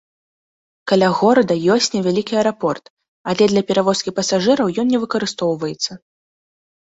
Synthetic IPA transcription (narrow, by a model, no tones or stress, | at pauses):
kɐlʲaɣɔɾɐd̪ɐjɔsʲt͡sʲnʲɛvʲalʲikʲiɐɾapɔrt̪ | alʲɛd̪lʲɐpʲɛɾavɔskʲipɐsaʐɨɾɐwjɔnnʲɛvɨkɐɾɨst̪ɔwvɐjɛt̪sːɐ